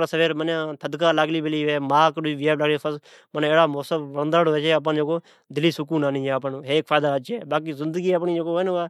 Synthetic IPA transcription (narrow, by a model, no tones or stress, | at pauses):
asəʋeːɾmənãːt̪ʰəd̪kaːlaɡliːbɪliːʋeːmaːkiʋɪaːbləɡliːpʰəs | məneːɽaːmoːsəbʋəɽənd̪aːɽoːeːt͡ʃːəp̬ãːnd͡ʒeːkoː | d̪ɪliːsʊk̬uːnaːniːɛːəpaːnːɦeːkfʰaːd̪aːət͡ʃeːbaːk̬iːzɪnd̪əɡiːəp̬niːd͡ʒekoːeːnoaː